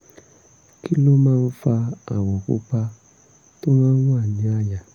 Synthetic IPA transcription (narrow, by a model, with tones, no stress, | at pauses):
ki˦lo˦mãː˦˧n̩˦fa˧a˨wɔ̃˨ko̰˦pa˧ | to˦mãː˦n̩˦wa˦˨nĩ˨˦a˦˨ja˨